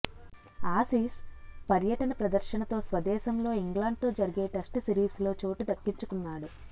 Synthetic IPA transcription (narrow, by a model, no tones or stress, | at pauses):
aːsiːspɐɾjɐʈɐnɐpɾɐd̪ɐɾʃɐnɐt̪o̞ːsʋɐd̪ɛːsɐmlo̞ːiŋɡlaːɳɖ̚t̪o̞ːd͡ʒɐɾiɡe̞ːʈɐsʈsiɾiːslo̞ːt͡ʃo̞ːʈud̪ɐkːiɲt͡ʃukunːaːɽu